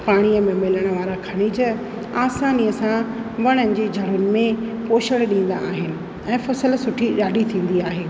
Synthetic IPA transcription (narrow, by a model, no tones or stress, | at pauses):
paːɽ̃ijəmẽmɪləɽ̃ə̆ʋaːɾakʰɐɽ̃id͡ʑɐ | aːsaːniəsãʋɐɽ̃ənɪ̆d͡ʑeːd͡ʑʱɐɽʊnɪ̆mẽpoːʃəɽ̃ɗĩːn̆d̪a̰ːɦɪnɪ̆ | ɛ̃ːfɐsəlsʊʈʰiɗaːɖit̪ʰĩːn̆d̪iaːɦeː